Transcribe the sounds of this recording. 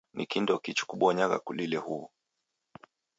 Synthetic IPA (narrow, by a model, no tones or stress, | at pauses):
nḭkindɔkit͡ʃu̥kuɓɔɲaɣa̰kulilɛhu